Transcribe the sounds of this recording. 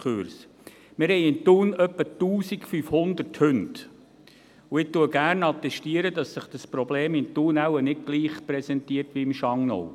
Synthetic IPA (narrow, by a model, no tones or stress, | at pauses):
kʰøɾs | mɪɾhɛɪɪnt̪uːnœpːətuːsikfyːfhʊnd̪ərthʏnt | uɪtuːəɡæːrnɑt̪ɛʃtiəɾədɑsːəχd̥əspɾɔbleːmɪnt̪uːnæwənɪd̚ɡ̥liːχpɾɛsɛntiːərtʋiɪmʃɑŋno̰w